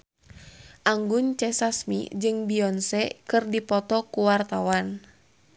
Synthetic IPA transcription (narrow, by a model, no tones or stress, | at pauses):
ʔaŋɡunt͡ʃɛsasmḭd͡ʒɨŋbiɔnsɛkɨrdipɔt̪ɔkuwart̪awan